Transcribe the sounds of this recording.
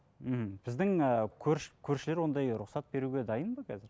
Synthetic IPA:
hm̩b̥ɪzd̪ɪŋəkʲʰɵɾʃkʲʰɵɾʃɪle̞ɾwo̞nd̪ɑjɾʊqsɑt̪̚be̞ɾuɡʲe̞d̪ɑjənbɑkʲʰæzɪɾ

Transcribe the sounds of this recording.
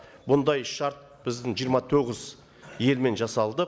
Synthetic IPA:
bʊnd̪ɑjʃɑɾt̪̚ | b̥ɪzd̪ɪŋʒijəɾmɑt̪ʰoʁɪz | je̞lme̞nʒɑsɑlˠd̪ə

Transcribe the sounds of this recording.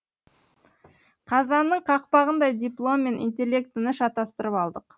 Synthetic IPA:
qʰɑzɑnːəɴqʰɑq̚pɑʁənd̪ɑjd̪iplˠo̞mːe̞nʔḭnt̪̬ʲe̞lʲːe̞k̚t̪ɪnɪʃɑt̪ɑst̪əɾəpɑlˠd̪əq

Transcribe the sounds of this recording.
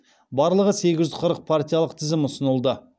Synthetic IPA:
bɑɾlˠəʁəse̞ɡʲɪʒʏzqʰəɾəq̚pʰart̪ʲijalˠəqt̪ʰɪzɪmʊsənəlˠd̪ə

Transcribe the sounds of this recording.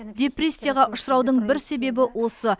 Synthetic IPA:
d̪ʲe̞prʲe̞sʲːijaʁɑʔʊʃɾɑwd̪əɴbɪɾse̞be̞bɪwo̞sə

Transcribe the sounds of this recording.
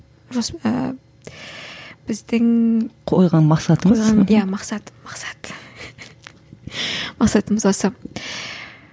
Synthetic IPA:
ʒosə | b̥ɪzd̪ɪŋqʰojʁɑnmɑqsɑt̪əmoəzj̪ʁɑnjamɑqsɑt̪mɑqsɑ̥t̪ | mɑqsɑt̪əməzwosə

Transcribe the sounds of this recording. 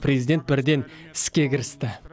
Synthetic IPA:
pʰrezijd̪ʲe̞nt̪̚bɪɾd̪e̞nɪ̥skʲe̞kʲʰɪɾɪst̪ɪ

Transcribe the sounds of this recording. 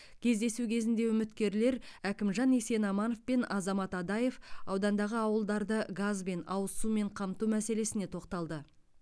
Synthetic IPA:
kʲʰe̞zd̪e̞sukʲʰe̞zɪnd̪e̞ʏmɪt̪kʲe̞ɾle̞ɾækʲɪmʒɑnese̞nɑmɑno̞fpe̞nɑzɑmɑt̪ɑd̪ɑje̞fɑwd̪ɑnd̪ɑʁəɑwəlˠd̪ɑɾd̪əɡazbe̞nɑwəsume̞ɴqʰɑmt̪umæse̞le̞sɪne̞t̪ʰo̞qt̪ɑlˠd̪ə

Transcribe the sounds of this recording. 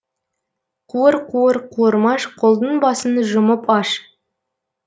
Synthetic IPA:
qʰuəɾqʰuəɾqʰuəɾmɑʃqʰolˠd̪ənbɑsənʒʊməpɑʃ

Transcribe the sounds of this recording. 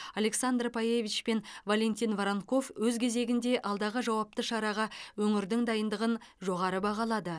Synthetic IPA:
alʲe̞ksand̪rpʰaje̞vit͡ʃpe̞nvalʲe̞nt̪ʲinvɾaŋko̞fwɵzkʲʰe̞ze̞ɡʲɪnd̪e̞ʔɑlˠd̪ɑʁəʒɑwɑp̚t̪əʃɑɾɑʁɑwɵŋɪɾd̪ɪŋd̪ɑjənd̪əʁənʒo̞ʁɑɾəbɑʁɑlˠɑd̪ə

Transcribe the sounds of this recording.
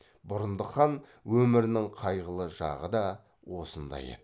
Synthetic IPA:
bʊɾənd̪əχɑnwɵmɪɾɪnɪŋqʰɑjʁəlˠəʒɑ̰ʁəd̪ɑ | wo̞sənd̪ɑ̰jḛd̪ɪ

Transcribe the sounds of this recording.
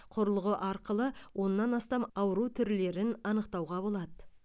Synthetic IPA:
qʰʊɾəlˠʁəʔɑɾqəlˠəwʔo̞nːɑnɑst̪ɑmɑwəɾut̪ʰʏɾle̞ɾɪnɑnəqt̪ɑwʁɑbo̞lˠɑd̪ə

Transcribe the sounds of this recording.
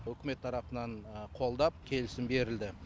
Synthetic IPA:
wɵkʲɪme̞t̪ʰːɑɾɑpənɑɴqʰo̞lˠd̪ɑp̚kʲʰe̞lɪsɪmbe̞ɾɪld̪ɪ

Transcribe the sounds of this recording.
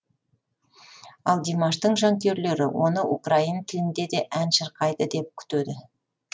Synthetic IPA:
ɑlˠd̪imɑʃt̪əɴʒɑŋkʲe̞ɾle̞ɾɪ̰wo̞nəʔṵkraint̪ʰɪlɪnd̪e̞d̪e̞ʔænʃəɾqɑjd̪əd̪e̞p̚kʲʰʏ̥t̪ød̪ɪ

